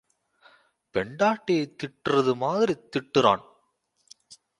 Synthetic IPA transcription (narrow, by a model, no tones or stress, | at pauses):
pɛɳɖaːʈːɐjeɪt̪ːɪʈːɯrɐðɯmaːðɪɾit̪ːɪʈːɯɾa̰ːn